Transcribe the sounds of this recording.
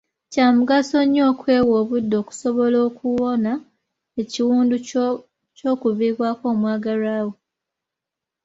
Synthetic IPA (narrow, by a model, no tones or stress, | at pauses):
caːmuɡaso̞ɲːo̞ːkwe̞ːwoːβudːo̞ːku̥so̞βo̞lo̞ːkuwo̞na | e̞ciwuːndu | co̞ːkuviːβwako̞ːmwaːɡaɾaːwe